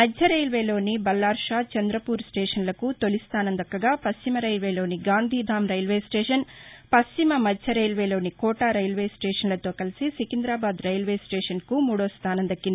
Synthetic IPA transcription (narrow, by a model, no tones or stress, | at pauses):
mɐd͡ʒd͡ʒʱɐɾejlʋeːlo̞ːnibɐlːaːɾʂaːt͡ʃɐnd̪ɾɐpuːɾsʈeːʂɐnlɐkut̪o̞list̪aːnɐnd̪ɐkːɐɡaːpɐst͡ʃimɐɾɐjlʋeːlo̞ːniɡaːnd̪ʱiːd̪ʱaːmɾɐjlʋeːsʈeːʂɐnpɐst͡ʃimɐmɐd͡ʒʱɐɾɐjlʋeːlo̞ːnikɔːʈaːɾɐjlʋeːsʈeːʂɐnlɐt̪o̞ːkɐlisisikind̪ɾaːbaːd̪ɾɐjlʋeːsʈeːʂɐnkumuːɽoːst̪ʰaːnɐnd̪ɐkːind̪i